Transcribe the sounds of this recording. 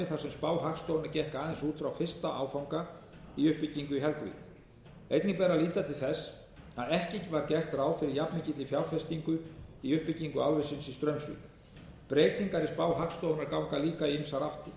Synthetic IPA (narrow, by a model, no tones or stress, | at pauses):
ɪθḁsɛmspaːwɦakst̪ownaɾcɛhkaːðɛnsuːt̪fɾawfɪr̥st̪aʔa̰ːwfawŋka | iʏhpɪciŋkʏɦɛɾkvḭk | ejt̪nɪŋpɛːɾaliːt̪at̪ʰɪ̥θɛs | aðɛhcɪcɪvaɾcɛr̥t̪ɾaːwfɪɾɪɾjapnɪcɪt̪lɪfjawɾfɛst̪iŋkʏiʏhpɪciŋkʏawlvɪsɪnsist̪ɾœɥmsvḭk | pɾeːjt̪iŋkaɾɪspaːwɦakst̪ownaɾkawŋkaliːkaiɪmsaɾawht̪ʏ